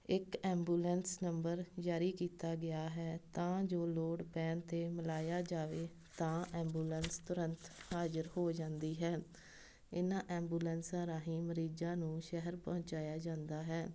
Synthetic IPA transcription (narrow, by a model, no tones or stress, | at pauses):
ɪkɛ̃ːmbuːlɛnsnəmbəɾd͡ʒaːɾiːkiːt̪aːɡɪjaːɦɛːt̪ãːd͡ʒoːloːɽpɛːnt̪eːmɪlaːjaːd͡ʒaːʋeː | t̪ãːɛ̃ːmbuːlənst̪ʊɾənt̪haːd͡ʒəɾhoːd͡ʒãːnd̪iːɦɛː | ɪnãːʔɛ̃ːmbuːlɛːnsãːɾaːɦĩːməɾiːd͡ʒãːnũːʃɛɦəɾpɔ̃ːɲt͡ʃaːjaːd͡ʒãːnd̪aːɦɛː